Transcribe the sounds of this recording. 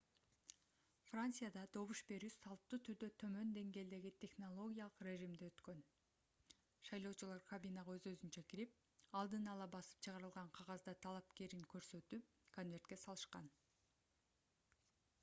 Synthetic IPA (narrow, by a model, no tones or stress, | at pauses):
frant̪sɨjad̪ɑd̪o̞βuʃbe̞ɾysɑlˠp̚t̪uːt̪ʰyɾd̪øt̪ʰø̞mø̞nd̪e̞ŋɡe̞ːld̪e̞ɡit̪ʲʰe̞χno̞lˠo̞ɡʲijalˠɯqre̞ʒimd̪eøt̪kø̞n | ʃɑjlˠo̞ːt͡ʃulˠɑɾkɐbʲinɑʁɑø̞zø̞zynt͡ʃækiɾip̚ | ɑlˠd̪ɯnɑlˠɑbɑsɯ̥p̚t͡ʃʰɯʁɑɾɯlˠʁɑɴqʰɑʁɑzd̪ɑt̪ʰɑlˠɑpke̞ɾiŋkø̞ɾsø̞t̪yp̚ | kʰo̞nvʲe̞rt̪̚ke̞sɑlˠɯʃqɑn